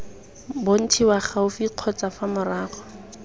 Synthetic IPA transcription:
bʊn̩tʰiwaχaʊfiq͡χʰɔt͡safamʊraːχɔ̥

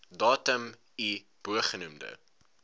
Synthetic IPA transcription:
dɑːtəm | i | b̥uəχənumdə̰

